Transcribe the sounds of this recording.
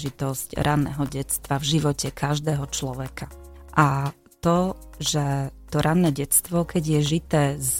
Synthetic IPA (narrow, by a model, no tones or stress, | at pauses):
ʒit̪ɔscɾʔanːɛ̰ːɦɔɟɛt͡st̪ʋavʒiʋɔcɛkʰaʒd̪ɛːɦɔt͡ʃlɔʋɛka | ʔa | t̪ɔʒɛt̪ɔɾʔanːɛɟɛt͡st̪ʋɔkʰɛɟjɛʒit̪ɛːz